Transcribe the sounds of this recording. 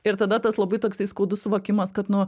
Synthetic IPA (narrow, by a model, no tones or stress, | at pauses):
ɪɾt̪ɐd̪ɐt̪ɐslˠɐbɐt̪oːksʲɛɪskoːd̪ʊsʊʋɐkʲɪmɐskɐt̪nʊ